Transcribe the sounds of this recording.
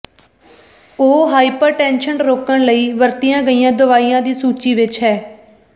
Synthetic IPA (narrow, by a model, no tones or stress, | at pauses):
oːɦaːipəɾʈɛ̃ːnʃənɾoːkəɳləiːʋəɾt̪ijãːɡəiːjãːd̪ʊʋaːiːjãːd̪iːsuːt͡ʃiːʋɪt͡ʃɦɛː